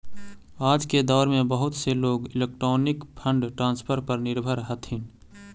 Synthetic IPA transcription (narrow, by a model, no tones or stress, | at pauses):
aːd͡ʒked̪ɔːɾmẽbəɦʊt̪seloːɡɪleːk̚ʈɾoːnɪkpʰə̃ɳɖʈɾãːnspʰəɾpəɾnɪɾbʱəɾɦət̪ɦɪn